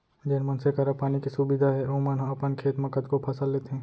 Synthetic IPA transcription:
d͡ʒenmənsekɐɾəpaːnikisubɪd̪ʱaɦɛɾoːmənɦɐpənkʰeːt̪mɐkəd̪kopʰɐsəlːeːt̪eɦɛ̃ː

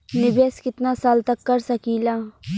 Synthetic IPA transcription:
nɪbeːskɪt̪nasaːlt̪ɐkːɐɾsɐkiːlaː

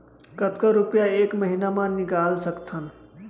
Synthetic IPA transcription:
kət̪kəɾupjaekməɦinamãnikalsəkt̪ʰən

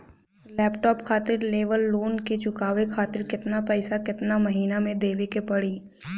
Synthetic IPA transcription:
lɛːpʈɔːpkʰaːt̪ɪɾleːʋəlːoːnket͡ʃʊkaːʋekʰaːt̪ɪɾkɪt̪napɛːsakɪt̪namɐɦiːnamẽd̪eːʋekepɐɽiː

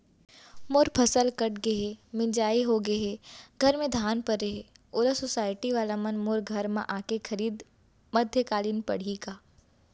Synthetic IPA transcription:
moɾpʰɐsəlkɐʈɡɐɦemɪ̃d͡ʒaːiɦoɡeɦeɡʱɐɾmẽd̪ʱaːnpɐɾːeɦe | oːɾasosaːɪʈiʋaːlamɐnmoɾɡʱɐɾmã̰ʔaːkexʰɐɾiːd̪ | mɐd̪ʱjəkaːliːnpɐ̰ɽ̤ikaː

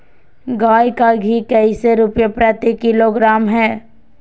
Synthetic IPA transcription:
ɡaːjkaɡʱikəiseɾʊpjəpɾət̪ikɪloɡɾaːmɦɛː

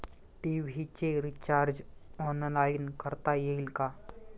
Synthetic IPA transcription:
ʈiʋɦit͡ɕeɾit͡ɕaːɾd͡ʒɔnəlainkəɾt̪ajeilka

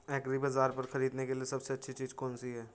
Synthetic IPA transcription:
ɛːkɾibaːzaːɾpɐɾxɐɾiːd̪nekeliesɐbseɐtːʃʰit͡ʃiːzkɔːnsiɦɛː

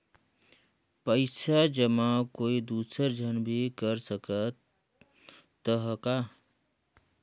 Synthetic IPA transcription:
pəɪsʰad͡ʒəmãkoːid̪uːsəɾd͡ʒʱənbʱikəɾsəkət̪ | əɦəka

